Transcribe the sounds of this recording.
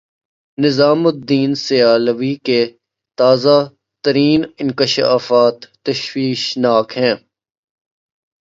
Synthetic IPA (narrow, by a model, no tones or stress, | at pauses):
nɪzaːmʊd̪ːiːnsɪjaːləʋike | t̪aːza | t̪əɾiːnɪ̃nkɪʃa̰ːfaːt̪ːɐʃwiːʃnaːkɦɛ̃ː